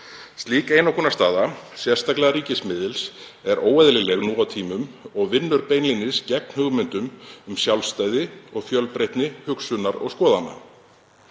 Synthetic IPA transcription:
st̪liːkeːjnawkʰɔnːast̪aːðasjɛ̥st̪aklɛɣaɾiːcɪsmɪðɪlsɛɾoːwɛðlɪlɛɣnuːawt̪ʰiːmʏmɔɣvɪnːʏɾpejnlinɪscɛk̚nhʏɣmʏnt̪ʏmʏmsjawlst̪aːjðɪɔɣfjœlpɾejht̪nɪhʏksʏnaɾɔ̰ɣskɔːðanːa̰

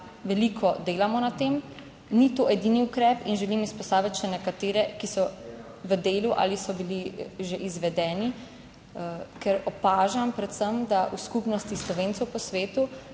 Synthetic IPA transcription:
ʋɛlikʰɔd̪eːlamɔnat̪eːm | nit̪oɛd̪iniukɾɛpinʒɛlimispɔst̪aːʋit̪ʃɛnɛkat̪eːɾɛkisɔ | ʋəd̪eːluʔa̰ːlisɔbiliʒeʔizʋɛd̪ɛːni | kɛɾɔpaːʒampɾɛt̪səmd̪aʔuskupnɔst̪islɔʋeːntsɛwpɔsʋeːt̪u

